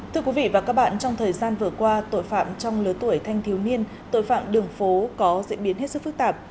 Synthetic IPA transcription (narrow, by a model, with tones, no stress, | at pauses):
t̪ʰɨ˧əkwi˨˦vḭ˧˨vaː˨˩kaː˦˥k̚ɓa̰ː˧˨nt͡ɕɔ˧wŋ͡mt̪ʰəː˨˩jzaː˧nvɨ˨˩əkwaː˧t̪o̰˧˨jfa̰ː˧˨mt͡ɕɔ˧wŋ͡mlɨ˨˦ət̪u˧˩əjt̪ʰa˧jŋt̪ʰi˨˦wni˧ən | t̪o̰˧˨jfa̰ː˧˨mɗɨ˨˩əŋfo˨˦kɔ˨˦zḭ˧˥ənɓi˨˦ənɦe˦˥t̚sɨ˦˥fɨ˦˥k̚t̪aː˨˩p̚